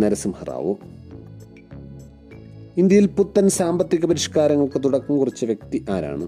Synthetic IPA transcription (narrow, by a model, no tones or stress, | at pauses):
nɐɾɐsumhɐra̰ːʋo̰ː | ind̪jɐjilput̪ːɐnsaːmbɐt̪ːiɣɐpɐɾiʂkaːɾɐŋːɐɭkɨt̪uɽɐkːumkurit͡ɕːɨʋjek̚t̪iʔaːɾa̰ːɳɨ